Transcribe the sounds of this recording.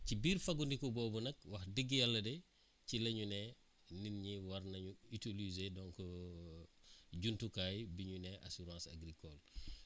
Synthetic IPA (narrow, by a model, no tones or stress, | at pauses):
cibiːɾfɐɡundikɔbɔːbunɐk̚wɐxdiɡːijalːɐdɛ | cilɐɲunɛ | ninɲiwɐɾnɐɲuitilizedɔŋkɔ | ɟuntukaːjbiɲunɛʔa̰suɾãːsa̰ɡɾikɔl